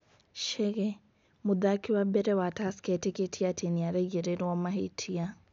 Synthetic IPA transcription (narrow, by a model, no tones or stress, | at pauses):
ʃɛɣɛ | mʊðakiwabɛɾɛwataskɛteketʰiatʰeniaɾɛɣɛɾeɾwɔmaɦetʰia